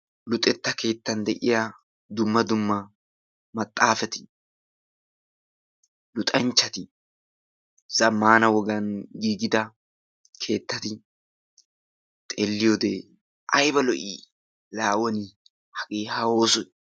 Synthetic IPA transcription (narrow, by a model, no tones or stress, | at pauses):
lʊt̪ʼːɛt̪ːɐke̞ːt̪ːɐnd̪ɛʔɪja | d̪ʊmːɐd̪ʊmːɐ | mɐt̪ʼːaːfɛt̪ɪ̥ | lʊt̪ʼɐnt͡ʃːɐt̪ɪ | z̥ɐmːaːnɐwɔɡɐnɡiːɡɪd̪ɐ | kʰe̞ːt̪ːɐt̪ɪ | t̪ʼeːlːɪjod̪e | ʔɐjbɐlɔʔiː | laːwɔnɪ | hɐkʼeːhɐwoːsʊ